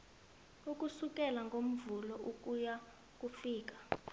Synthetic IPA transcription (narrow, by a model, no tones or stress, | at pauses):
uk̬ʼusuk̬ʼɛlaŋɡʱom̩vulɔuk̬ʼuja | k̬ʼufiːk̬ḁ